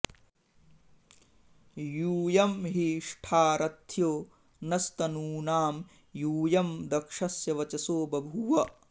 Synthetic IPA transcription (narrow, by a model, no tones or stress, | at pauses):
juːjɐmɦiʂʈʰaːɾɐt̪ʰjoː | nɐst̪ɐnuːnaːm | juːjɐmd̪ɐkʂɐsjɐʋɐt͡ʃɐsoːbɐbʱuʋɐ